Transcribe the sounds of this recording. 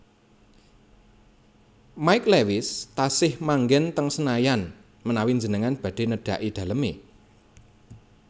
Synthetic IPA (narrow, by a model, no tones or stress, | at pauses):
maɪklewɪst̪asɪhmaŋɡɛnt̪əŋsənajan | mənawind͡ʒənəŋanb̥ä̤ɖ̥e̤nəɖ̥a̤ʔid̪̥ä̤ləme